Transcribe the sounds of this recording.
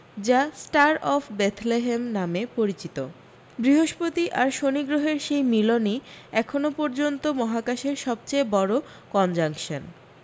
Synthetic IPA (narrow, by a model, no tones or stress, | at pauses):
d͡ʑasʈaɾɔfʰbet̪ʰleɦemnamepoɾit͡ɕit̪o | bɾiɦoʃpot̪iʔaɾʃoniɡɾoɦeɾʃejmiloniɛkʰonopɔɾd͡ʑont̪omɔɦakaʃeɾʃɔb̚t͡ɕejbɔɾo | kɔnd͡ʑaŋkʃon